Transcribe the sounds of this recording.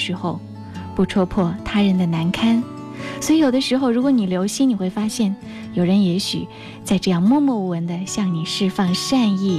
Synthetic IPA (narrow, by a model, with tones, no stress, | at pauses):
ʂɻ̩˧˥xo˧ʊ | pu˥˩ʈ͡ʂʰwɔ˥pʰwɔ˥˩t̪ʰa˥ɻə˧˥nd̪ə˧na˧˥nkʰa˥n | swɔ˧˥i˧˥jo˨˩ʊd̪ə˦ʂɻ̩˧˥xo˧ʊɻu˧˥kwɔ˧˥˦ni˨˩ljo˧˥ʊɕi˥ni˨˩xwe˥˩ɪfa˥ɕjɛ˥˩n | jo˨˩ʊɻə˧˥njɛ˧˥ɕy˨˩ | t͡sa˥˧ɪʈ͡ʂɤ˥˧jɑ˥˧ŋmwɔ˥˧mɔ˥˩wə˧˥nd̪ə˧ɕjɑ˥˩ŋni˨˩ʂɻ̩˥˧fɑ˥˧ŋʂa˥˧ni˥˩